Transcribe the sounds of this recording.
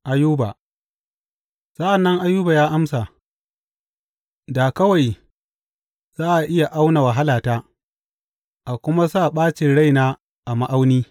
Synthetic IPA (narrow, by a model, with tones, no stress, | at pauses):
ʔa˨juː˦ba̰˨ | sɐ˦ʔa˨nːɐ˦ŋʔa˦jːuː˦ba˨jaː˦ʔa˦msa˨ | da˨kɐ˦wa˨j | z̥aː˦ʔa˨ʔɪ˦ja˨ʔa˦wna˨wa˨ɦa˦laː˨taː˦ | ʔa˨kʷʊ˦ma˦saː˦˨ɓaː˦t͡ʃɪ˨nɽa˦˨jnaː˦ | ʔa˨ma˦ʔa˦wniː˦